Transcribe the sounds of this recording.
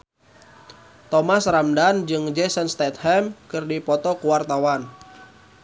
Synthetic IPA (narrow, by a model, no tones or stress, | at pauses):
t̪ɔmasramdand͡ʒɨŋd͡ʒɛsɛnst̪ɛt̪̚hɛmkɨrdipɔt̪ɔkuwart̪awan